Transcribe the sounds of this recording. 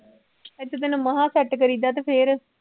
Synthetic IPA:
ɪt̪ːd̪ɪnməɦãːsɛʈkəɾiːd̪aːt̪eːpʰeːɾ

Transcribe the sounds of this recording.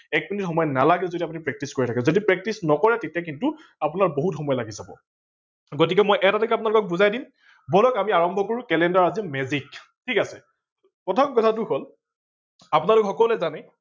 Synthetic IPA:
ɛk̚minitxɔmɔjɔnalaɡɛzodiapunipɹɛk̚tiskoɹitʰakɛzodipɹɛk̚tisnɔkɔɹɛtetiak̬intʊ | apʊnaɹboɦutxɔmɔjɔlaɡizabɔ̰ | ɡot̬ikɛmojʔɛtatɔkɛapʊnalʊkɔk̚buzajdim | bɔlɔkamiaɹɔmbʱɔkoɹukɛlɛndaɹazimɛzik | tʰikasɛ | pɹɔtʰɔmkɔtʰatʊɦol | apʊnalʊkɛxɔkɔlɛzanɛ

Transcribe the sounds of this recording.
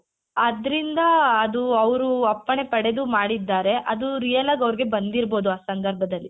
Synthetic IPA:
ɐd̪ɾind̪ɐːd̪uɐʋɾuɐpːɐɳe̞pɐɽe̞d̪umaːɽid̪ːaːɾe̞ʔɐd̪uɾijɐlaːɡɐʋɾiɡe̞bɐnd̪iɾbo̞ːd̪uaːsɐnd̪ɐɾbʱɐd̪ɐlːi

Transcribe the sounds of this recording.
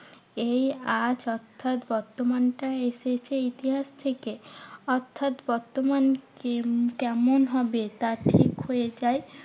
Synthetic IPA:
ejad͡ʑɔɾt̪ʰːat̪bɔɾt̪omanʈaeʃet͡ɕʰeit̪iɦaʃt̪ʰekeɔɾt̪ʰːat̪bɔɾt̪omanekɛmonɦɔbet̪aʈʰikɦojed͡ʑae

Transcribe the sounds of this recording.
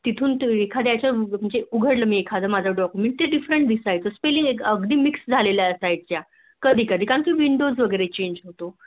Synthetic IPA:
t̪it̪ʰuːnt̪ekʰad̪jat͡ɕaməd͡ʑeuɡʱəɽləmiːekʰad͡z̪ʱəmad͡zʱəɖɔkumẽɳʈ̚t̪eɖifɾəɳʈd̪isajt͡səspeliŋɡekəɡd̪iːmiksd͡zʱalelaəsaj̚t͡ɕja | kəd̪ʱiːkəd̪ʱiːkaŋkiːʋiɳɖozʋəɡəjɾet͡ɕeɲd͡ʑɦot̪o

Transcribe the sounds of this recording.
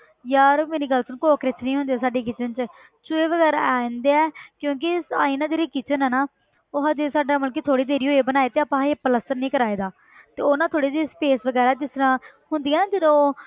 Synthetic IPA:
jaːɾmeːɾiːɡəlt͡ʃʊnkoːkɾɪt͡ʃʰnĩːɦʊnd̪eɛːsaːɖeːk̬ɪt͡ʃənt͡ʃ | t͡ʃʊeːʋəɡɛːɾaɛ̃ːnd̪eːɛːkjõːk̬ɪsa̰ːiːnãːd͡ʒeːɾiːkɪt͡ʃənɦɛːnaː | oːɦad͡ʒeːsaːɖaːməlk̬eːt̪ʰoːɽiːd̪eːɾiːɦoːeːbənaːeːt̪eːaːpãːeːpələsəɾnĩːkəɾaːeːd̪aː | t̪eːonãːt̪ʰoːɽiːd̪iːspeːsʋəɡɛːɾaːd͡ʒɪst̪əɾãː | ɦʊnd̪iːɛːnaːd͡ʒɪnõː

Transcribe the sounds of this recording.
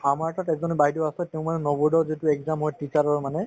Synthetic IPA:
amaɹɛtatɛzɔnbaɦitɔasɛtɛʊ̃manɛnɔbɔɹdɔzituɛkzamɦɔjtit͡ʃaɹɔɹmanɛ

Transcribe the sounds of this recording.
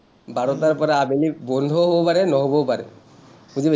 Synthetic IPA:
baɹɔtaɹpɔɹaːbelibɔnd̪ʱɔɦobɔpaɹɛnɔɦobɔpaɹɛ | uzibe

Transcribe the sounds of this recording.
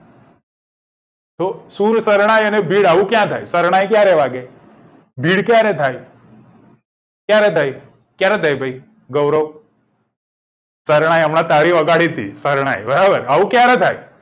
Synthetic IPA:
t̪osuɾsəɾɽ̃ajənebʱiːɽaʋũkjãt̪ʰajsəɾɽ̃ajkjaɾɛʋaɡe | bʱiːɽkjaɾet̪ʰaj | kjaɾet̪ʰaj | kjaɾet̪ʰajbʱəi | ɡəwɾəʋ | səɾɽ̃ajəmɽãt̪aɽiʋəɡaɽit̪ʰḭsəɾɽ̃a̰jbəɾabəɾaʋũkjaɾet̪ʰaj

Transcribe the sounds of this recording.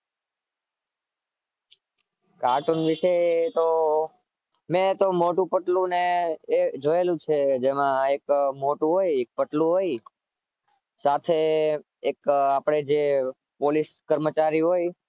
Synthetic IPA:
kaɾʈunʋiʃet̪o | mẽt̪omoʈũpəʈlũneː | d͡ʒoelũt͡ʃʰed͡ʒemãekmoʈũɦojek̚pəʈlũɦoj | sat̪ʰe | ekapɽ̃ed͡ʒe | poliskəɾmət͡ʃaɾiɦoj

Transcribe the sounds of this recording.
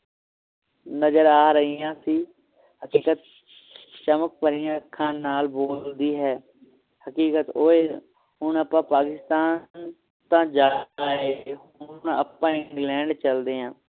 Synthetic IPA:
nəzəɾaːɾəɦiːãːsiː | həkiːkət̪̚ | t͡ʃəmək̚pəɾiːãːəkʰːãːnaːlboːld̪iːɦɛː | həkiːkət̪oːeː | ɦʊɳəpãːpaːkɪst̪aːn | t̪ãːd͡ʒaːaːeːɦnə̰pːãːɪŋɡlɛ̃ːɳɖt͡ʃəld̪eːãː

